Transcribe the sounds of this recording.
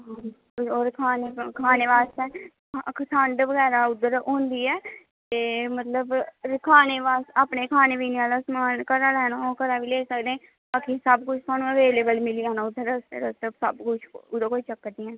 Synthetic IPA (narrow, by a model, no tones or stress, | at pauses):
ɦã | oːɾkʰaːneːkʰaːneːʋaːst̪ɛː | ksʰəɳɖʋəɡɛːɾaːʊd̪ːəɾɦõːnd̪iːɛː | t̪eːmət̪ləbkʰaːneːʋaːsaːpneːkʰaːneːʋiːniaːlasmaːnkəɾaːlɛːnãoːkəɾaːʋiːleːsək̚d̪ẽː | aːkʰeːsəbkʊt͡ʃʰt̪aːnũːəʋeːleːbəlmɪliaːnãːʊd̪əɾəsḛɾət̪əbsəbkʊt͡ʃʰʊd̪əkoːiːt͡ʃəkːəd̪ɪãː